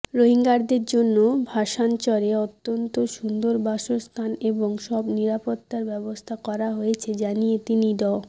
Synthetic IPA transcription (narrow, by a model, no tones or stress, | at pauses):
ɾoɦiŋɡaɾd̪eɾd͡ʑonːobʱaʃant͡ɕɔɾeɔt̪ːont̪oʃund̪oɾbaʃost̪ʰaneboŋʃɔbniɾapot̪ːaɾbɛbost̪ʰakɔɾaɦojet͡ɕʰed͡ʑanijet̪iniɖɔ